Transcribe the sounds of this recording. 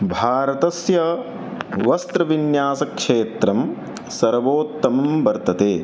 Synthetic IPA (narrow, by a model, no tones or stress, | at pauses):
bʱaːɾɐt̪ɐsjɐ | ʋɐst̪ɾɐʋinjaːsɐkʂeːt̪ɾɐm | sɐɾʋoːt̪ːɐmɐmbɐɾt̪ɐt̪eː